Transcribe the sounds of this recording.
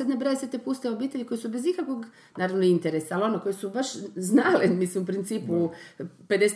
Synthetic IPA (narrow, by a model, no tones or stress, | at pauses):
ed̪nebɾojeset̪ːepust̪eobiːt̪eʎiko̞jesubezikakʋo̞ɡ | naːɾaʋnoint̪eɾesaːlo̞neko̞jesubaʃznalimislimupɾint̪siːpuped̪es